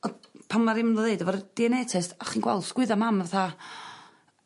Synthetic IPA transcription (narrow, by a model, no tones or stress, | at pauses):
ɔpʰanmaɾɪmlɔðeɨdɔvɔɾd̥iɛnɛtʰɛstaχiːnɡwɛ̰lˠd̥skwɪðamamvaθa